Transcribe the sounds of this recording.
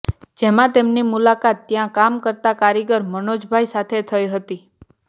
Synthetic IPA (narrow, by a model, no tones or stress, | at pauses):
d͡ʒemãt̪emnimulakat̪ːjãkamkəɾt̪akaɾiɡəɾmənod͡ʒbʱajsat̪ʰet̪ʰəjɦət̪i